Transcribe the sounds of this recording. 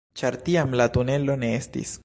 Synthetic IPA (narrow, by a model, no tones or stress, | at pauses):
t͡ʃaɾtiamlatune̞lo̞ne̞estḭs